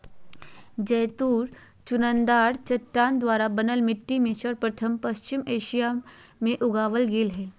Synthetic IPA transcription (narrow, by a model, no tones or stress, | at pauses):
d͡ʒɛːt̪uːɾ | t͡ʃʊnə̃nd̪aːɾt͡ʃɐʈːaːnd̪ʋaːɾabɐnəlmɪʈːimẽʃəɾpɾɐt̪ʰəmpɐst͡ʃɪmeːʃijamẽʔʊɡaːʋəlɡɪlɦɛː